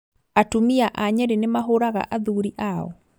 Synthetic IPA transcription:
atumiaʔaɲɛɾenemaɦoɾaɣa̰ʔaðuɾiʔaɔ̰

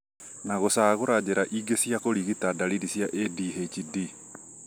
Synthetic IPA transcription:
naɣosaɣoɾad͡ʑeɾaʔiɡesiakoɾiɣitadaɾidisjaʔediɦet͡ʃidi

